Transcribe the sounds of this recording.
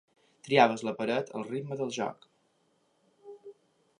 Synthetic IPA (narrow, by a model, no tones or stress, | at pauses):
t̪ɾiaβ̞əzləpəɾət̪ʰə̰lˠrid̪məðəlˠʒɔ̰k